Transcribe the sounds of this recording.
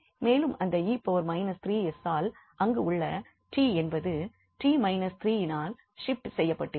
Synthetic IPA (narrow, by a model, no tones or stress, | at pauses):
meːlɯmɐnd̪ɐiːpːoːʋɐɾmɐɪnɐst̪ɾiːɛsaːlʔɐŋɡeʊɭːɐ | ʈiːɛnbɐðɯ | ʈiːmɐɪnɐst̪ɾiːɪnaːl | ʂɪpʈsɛjːɐpːɐʈːɯ